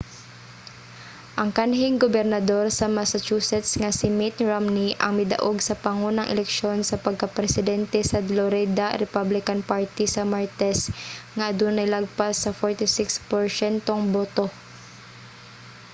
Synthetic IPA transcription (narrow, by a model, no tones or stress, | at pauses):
ʔɐŋkanɦɪŋɡobɛɾnɐd̪o̞ɾsɐmasat͡ʃusɛt̪sŋɐsɪmɪt̪ɹamniʔɐ̰ŋmɪd̪a̰ʔoɡsɐpɐŋonɐŋʔɛ̰lɛkʃo̞nsɐpɐɡ̚kɐpɾɛsɪd̪ɛnt̪ɛsɐd̪loɾɛd̪aɾɛpablɪkanpaɹt̪isɐmaɹt̪ɛsŋaʔɐd̪unɐjlaɡ̚pasːɐfoɹt̪ɪsɪkspɛɹsɛnt̪oŋboːt̪o